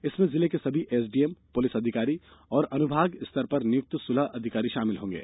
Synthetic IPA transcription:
ɪsmẽzɪlekesɐbʱiʔeːs̬ɖiːempʊlɪsɐd̪ʱɪkaːɾiɔːɾɐnʊbʱaːɡɪst̪ɐɾpɐɾnɪjʊk̚t̪sʊlaʔɐd̪ʱɪkaːɾiʃaːmɪlɦõːŋɡḛː

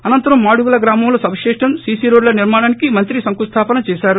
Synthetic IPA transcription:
ɐnɐnt̪ɐɾɐmːaːɽuɡulɐɡɾaːmɐmloːsɐbʂeːʂʈɐmsiːsiɾoːɖlɐniɾmaːɽaːnikimɐnt̪ɾisɐŋkust̪ʰaːpɐnɐt͡ʃɛːʃaːɾu

